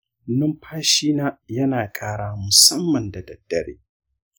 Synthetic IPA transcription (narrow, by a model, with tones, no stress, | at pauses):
nʊ˦mpʰaː˦ʃiː˦naː˦jɐ˦naː˨kʼaː˦ɽaː˦mʊ˨sɐ˦mːɐ˨nda˨dɐ˨d̥ːɐ˨ɽḛː˦